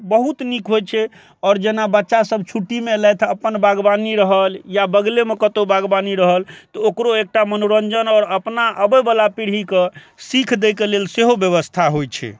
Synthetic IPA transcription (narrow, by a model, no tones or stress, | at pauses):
bəɦut̪nikɦojt͡ʃʰɛ | ɔɾd͡ʒenabətːʃasəb̚ʱt͡ʃʰuʈːimelɛjt̪ʰəpənbaɡbaniɾəɦəljabəɡlemekət̪obaɡbaniɾəɦəlt̪ɔokɾoek̚ʈamənoɾənd͡ʒənɔːɾəpnaʔəbəjbəlapiɽ̤ike | sikʰd̪ɛjkelelseɦobjəβəst̪ʰaɦojt͡ʃʰɛ̰